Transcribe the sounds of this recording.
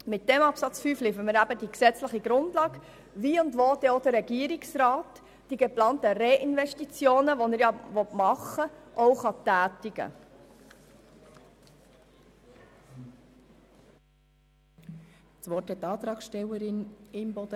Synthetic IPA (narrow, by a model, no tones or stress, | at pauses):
mɪt̚d̥ɛmɑpsɑt͡sfyːflifəməɾæbəd̥iksɛt͡sləχiɡɾʊndlɑːɡ | viːʊndvoːd̥ɛod̥əɾːɛɡiːəɾiksrɑːt | d̥iɡeplɑːntəɾeʔɪnvɛʃtit͡sjoːnəʋɔnəɾjɑvɔtmɑχəʔɔʊχɑtæːtiɡə̰ | sʋɔɾthɛtːɑːt̪ɾɑːkʃtɛlːəɾɪnɪmbɔd̥ə